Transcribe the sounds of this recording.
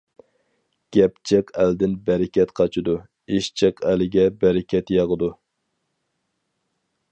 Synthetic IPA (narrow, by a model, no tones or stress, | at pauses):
ɡ̥ʲɛpt͡ʃʰeqʰæld̪ɪnbɛɾɪkʲɛt̪qʰɑt͡ʃʰɪd̪u | eʃt͡ʃʰeqʰælɪɡʲɛbɛɾɪkʲʰɛt̪jɑʁəd̪u